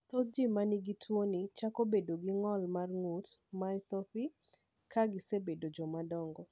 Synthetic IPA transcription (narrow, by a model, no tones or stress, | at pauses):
t̪ot̚d͡ʒimaniɡitʰwonit͡ʃakobedoɡɪŋɔlmarŋutmat̪ɔpi | kʰaɡɪsebedod͡ʒɔmadɔŋɡɔ